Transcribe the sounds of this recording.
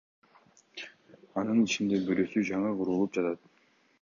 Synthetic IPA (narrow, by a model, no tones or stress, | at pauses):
ɑnɯnit͡ʃind̪e̞bøɾø̞syd͡ʒɑɴɯquɾulˠup̚d͡ʒɑt̪ɑt̪̚